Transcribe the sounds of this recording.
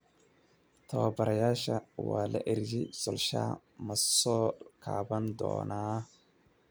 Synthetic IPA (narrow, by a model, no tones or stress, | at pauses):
t̪ʰɐwɐbɐɾɐjaːʃɐwaːlɐ̰ʔɪɾjɪsɔlʃa̰ː | mɐsɔːkʰaːβɐnd̪ɔ̰ːnaː